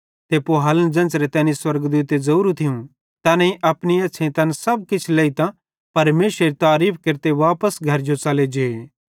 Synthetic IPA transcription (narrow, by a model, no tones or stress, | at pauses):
t̪epoɦaːlənd͡ʒɐ̃nt͡ʃɾet̪ɛ̃ːniswɐɾɡd̪uːt̪ezɐɾuːɾũt̪ʰɪjũ | t̪ɐːnɐ̃ĩʔɐpniɐtːʃʰẽt̪ɐ̃nsɐb̚kɪt͡ʃʰleːit̪ã | pɐɾmeːsɾeɾit̪aːɾiːpʰkeɾt̪eʋaːpəsɡʱɐɾd͡ʒot͡ʃɐled͡ʒeːe